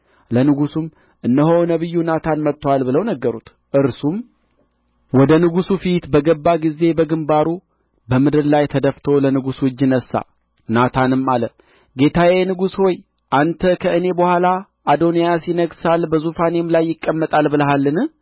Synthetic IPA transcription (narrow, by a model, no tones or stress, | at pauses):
lənɨɡusum | ʔɨnːəɦownəβɨjːunat̪ʰanmət̪ːwalbɨləwnəɡːəɾut̪ | ʔɨɾsum | wɔd̪ənɨɡusufit̪bəɡəbːaɡize̞bəɡɨmbaɾu | bəmɨd̪ɨɾlajt̪ʰəd̪əft̪ʰo̞lənɨɡuswɨd͡ʒːnəsːa̰ | nat̪ʰanɨmːalə | ɡe̞t̪ʰawenɨɡusho̞j | ʔant̪ʰəkʰəɨne̞bəhʷala | ʔad̪o̞nijasjɪnəɡsalbəzufane̞mlajːɪkʼːəmːət̪ʼalbɨləɦalːɨnɨ